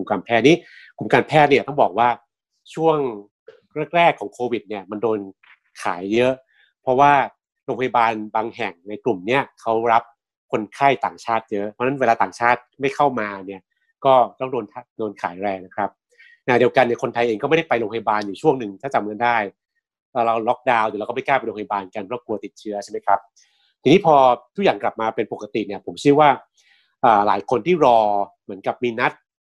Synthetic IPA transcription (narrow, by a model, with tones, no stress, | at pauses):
u˨˩mkaː˧npʰɛː˥˩t̪̚niː˦˥˩ | kʰu˨˩˦mkaː˧npʰɛː˥˩t̪̚ni˧˥ɐt̪ɔ˥˩ŋbɔː˨˩k̚waː˥˩ | t͡ɕʰu˥˩əŋ | ɾɛː˥˩k̚ɾɛː˥˩kʰːɔː˩˦ŋkʰoː˧wi˨˩t̪̚ni˥˩ɐma˧ndoː˧n | kʰaː˩˦jːɤ˦˥ʔ | pʰɔ˦˥waː˥˩ | ɾo˧ŋpʰa˧ja˧baː˧nbaː˧ŋɦɛ˨˩ŋna˧jklu˨˩mni˦˥ɐkʰa˦˥wɾa˦˥p̚ | kʰo˧nkʰa˥˩jt̪aː˨˩ŋt͡ɕʰaː˥˩t̪̚jɤ˦˥ʔʔpʰɔ˦˥na˦˥nweː˧laː˧t̪aː˨˩ŋt͡ɕʰaː˥˩t̪̚ma˥˩jkʰa˥˩wmaː˧ni˥˩ɐ | kɔː˥˩t̪ɔ˥˩ŋdoː˧nt̪ʰa˥doː˧nkʰaː˩˦jɾɛː˧ŋna˦˥kʰɾa˦˥p̚ | na˧˩di˧əwka˧ni˥˩əkʰo˧nt̪ʰa˧jʔeː˧ŋkɔ˥˩ma˥˩da˥˩jpa˧jlo˧pʰjbaː˧njuː˨˩t͡ɕʰu˥˩əŋnɯ˨˩ŋt̪ʰaː˥˩t͡ɕa˧mka˧ndaː˥˩j | a˧ɾa˧wlɔ˦˥k̚daː˧wjɾa˧kːma˥˩jkaː˥˩pa˧o˧a˧baː˧nka˧npʰɔ˦˥˩ku˧ɐt̪i˨˩t̪̚t͡ɕʰɯ˦˥ɐt͡ɕʰa˥˩ma˦˥jkʰɾa˦˥p̚ | t̪ʰi˧ŋiː˦˥pʰɔː˧t̪ʰu˦˥k̚jaː˨˩ŋkla˨˩p̚maː˧pe˧npo˨˩kːa˧t̪i˨˩ni˥˩ɐpʰo˩˦mt͡ɕʰi˦˥əwaː˥˩ | ʔaː˨˩laː˩˦jkʰo˧nt̪ʰiː˥˩ɾɔː˧mɯ˩˦ənka˨˩p̚miː˧na˦˥t̪̚